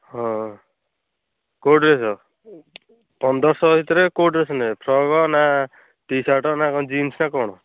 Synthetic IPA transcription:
ɦɔ̃ | koʈɾesɔ | pɔnd̪ɔɾsɔɦit̪ɾekoʈɾesʰɔnepʰɾɔɡɔna | ʈisaʈɔnaɔd͡ʒinsnakɔɽ̃ɔ

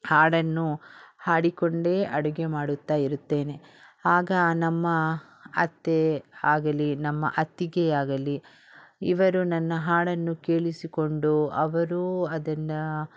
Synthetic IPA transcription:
haːɽɐnːuhaːɽikoɳɖeʔɐɽuɡemaːɽut̪ːaːiɾut̪ːe̞ːne̞ | aːɡɐnɐmːɐ | ɐt̪ːeaːɡɐlinɐmːɐ̰ʔɐt̪ːiɡeaːɡɐli | ḭʋɐɾunɐnːɐɦaːɽɐnːuke̞ːɭisiko̞ɳɖuɐʋɐɾuɐd̪ɐnːɐ

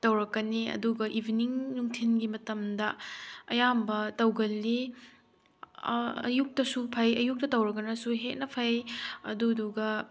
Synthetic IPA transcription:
tɐwɾɐkːɐniɐ̰duɡɐʔibʱiniŋnuŋtʰinɡimɐtɐmdɐɐjambɐtɐwɡɐlːi | ɐ̰juk̚tɐsupʰajɐjuk̚tɐtɐwɾɐkːɐnɐsuɦet̚nɐpʰajɐduduɡɐ

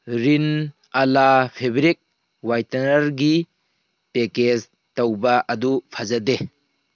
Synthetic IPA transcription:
ɾin | alapʰebiɾik̚ | wajtanɐɾɡi | peked͡ʒ | tawbaʔɐdupʰazade

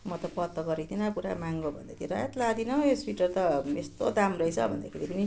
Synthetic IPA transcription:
mʌt̪ʌpʌt̪ːʌɡʌɾit̪ʰinʌpuɾa̰maŋɡobʱʌ̰nd̪ak̪ʰeiɾajet̪lad̪inʌeswiʈʌrt̪ʌest̪od̪amrʌit͡sʰʌ̰bʱʌnd̪a̰kʰeɾipʌni

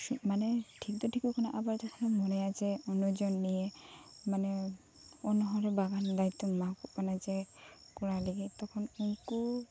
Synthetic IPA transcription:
manɛʈʰik̚d̪ɔʈʰikɔkʰanaʔabaɹtɔkʰɔnɔmɔnɛjazɛɔnɔd͡ʒɔnːijɛ | manɛ | ɔnɔɦɔɾɛbaɡand̪ajt̪ːɔmakkɔpanazɛ | kɔɹaleɡit̪ɔkʰɔnuŋku

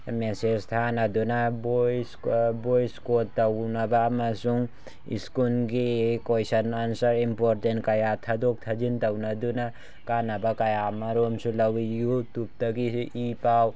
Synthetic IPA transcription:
mesest̪ʰanad̪unabojsbojskottːawnabaːmasuŋ | ḭskunɡikojsɐnansɐɾimpoɾʈenkajat̪ʰad̪ok̚t̪ʰad͡ʒint̪ɐwnad̪una | kanabakajamaɾomsulawijut̪up̚t̪akiʔipaw

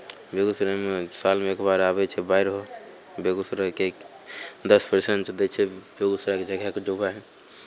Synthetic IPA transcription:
beɡusɾamesalmeekbaɾabɛt͡ʃʰɛbaiɾɦo | beɡusɾakek | d̪əspəɾseɳʈt͡ʃd̪ɛt͡ʃʰɛbeɡusɾaked͡ʒəɡʱɛked͡ʒobaɦɛ

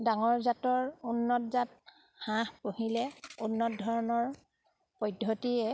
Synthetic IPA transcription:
daŋɔɹzatɔɹunːɔtzat̚ | hãhpoɦilɛunːɔt̚dʱɔɹɔnɔɹ | pɔjdʱotiɛ

